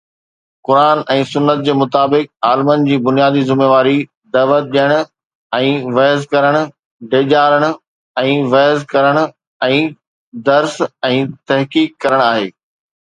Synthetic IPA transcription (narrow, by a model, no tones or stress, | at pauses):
kʊɾaːnɛ̃ːsʊnːət̪̚d͡ʑeːmʊt̪aːbɪk̚aːlɪmənd͡ʑiːbʊnijaːd̪izɪmeːʋaːɾi | d̪ɐːʋət̪̚ɗijəɽ̃ʊ̆ | ɛ̃ːʋɐɦzkɐɾəɽ̃ʊ̆ | ɖeːʄaːɾəɽ̃ʊ̆ | ɛ̃ːʋɐɦzkɐɾəɽ̃ʊ̆ | ɛ̃ː | d̪ɐɾsɛ̃ːt̪ɐɦkiːkːɐɾəɽ̃aːɦeː